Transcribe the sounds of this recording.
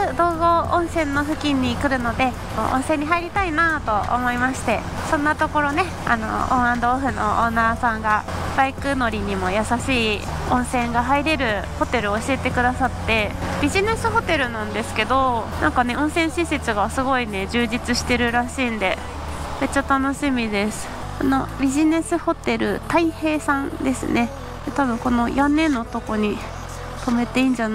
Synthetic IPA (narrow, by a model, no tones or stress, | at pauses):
d̪o̞ːɡo̞õɰ̃sẽ̞nːo̞ɸɯ̟kʲĩɲ̟ːikɯ̟ɾɯ̟no̞d̪e̞ | mo̰ʔõ̰ɰ̃sẽ̞ɲ̟ːiɦaiɾʲit̪ainat̪o̞o̰mo̞imaɕi̥t̪e̞ | sõ̞nːat̪o̞ko̞ɾo̞ne̞ | a̰no̞̰õ̰ɰ̃ãnd̪o̞ɸɯ̟no̞̰ʔoːnaːsãŋɡab̥aikɯ̟no̞ɾʲiɲ̟imo̞jasaɕiː | õ̞ɰ̃sẽ̞ŋɡaɦaiɾe̞ɾɯ̟ho̞t̪e̞ɾɯ̟oːɕiet̪e̞kɯ̟d̪asat̪ːe̞bʲiʑine̞sɨɦo̞t̪e̞ɾɯ̟nãnd̪e̞sɨ̥ke̞d̪o̞nã̰ŋkane̞õ̞ɰ̃sẽ̞ɰ̃ɕise̞t͡sɨɡasɨɡo̞ine̞d͡ʑɨːʑit͡sɨɕi̥t̪e̞ɾɯ̟ɾaɕĩːnd̪e̞ | me̞t͡ɕːat̪ano̞ɕimʲid̪e̞sɨ̥ | ano̞bʲiʑine̞sɨho̞t̪e̞ɾɯ̟̰t̪aihe̞ːsãnd̪e̞sɨ̰ne̞ | d̪̥et̪aβɯ̟̃ŋko̞no̞janːẽ̞nːot̪o̞ko̞ɲ̟i | t̪o̞me̞t̪e̞ĩːɲ̟d͡ʑan